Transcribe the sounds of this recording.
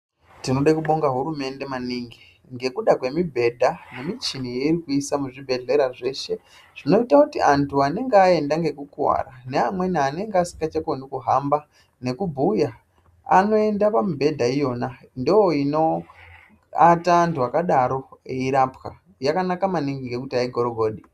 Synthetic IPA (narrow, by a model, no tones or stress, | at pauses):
tinoɗakuɓo̞ŋɡaɦuɾume̞nde̞maniːŋɡi | ŋɡe̞kuɗakwe̞mibʱe̞dʱane̞mit͡ʃinijeiɾikuisamuʐibʱe̞ɮe̞ɾaʐe̞ʃe̞ | ʐ̥ino̞itakutiantʰuane̞ŋɡeae̞ndaŋɡe̞kukuwa̰rane̞amwe̞niane̞ŋɡeasi̥kɡat͡ʃakonikuɦamba | ne̞kubʱuja | a̰no̞e̞ndapamubʱe̞dʱaijo̞na | ndojoino̞ | ataːntuakaɗaɾo̞eiɾapka̰ | jakanakamaniŋɡiŋɡe̞kutiaiɡʱo̞ɾoɡʱo̞ːɗi